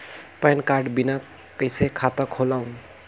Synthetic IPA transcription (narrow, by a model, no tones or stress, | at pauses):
pajnkaɾɖbina | kəjsekʰat̪ʌkʰolawn